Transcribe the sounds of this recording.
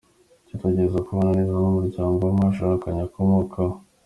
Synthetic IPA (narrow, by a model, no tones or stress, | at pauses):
cateɟeɾezakuβanaɾizaomuɾɟaːŋɡomaʃ̬akaɲako̞mokʰa